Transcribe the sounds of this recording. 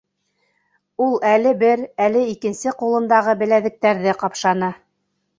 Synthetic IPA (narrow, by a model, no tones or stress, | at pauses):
ulˠælɘbɘɾælɘikɘ̆nsɘqulˠɤ̆nd̪ɑʁɤbɘ̆læðɘ̆k̚t̪æɾðɘqɑpʃɑnɤ